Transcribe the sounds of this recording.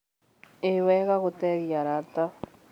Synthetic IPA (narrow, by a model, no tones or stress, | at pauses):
ewɛɣaɣotɛɣjaɾata